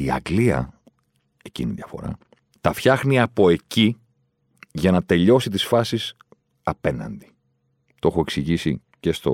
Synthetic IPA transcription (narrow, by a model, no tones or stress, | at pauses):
iɐ̰ɡliɐ̰ | e̞cḭniðiɐfo̞̰ɾɐ̰ | t̪ɐfçɐxniɐpo̞e̞ci | ʝɐnɐt̪e̞ʎo̞sit̪isfɐsis | ɐpe̞nɐ̰nd̪i̥ | t̪o̞xoe̞ksiʝisi | ce̞st̪o̞̰